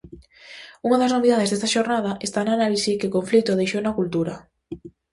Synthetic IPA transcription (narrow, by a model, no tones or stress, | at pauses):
uŋɐðɐznoβiðaðezðest̪aʃoɾnað̞ɐʔest̪ananalisikɪkoɱflit̪ʊðejʃownɐkult̪uɾɐ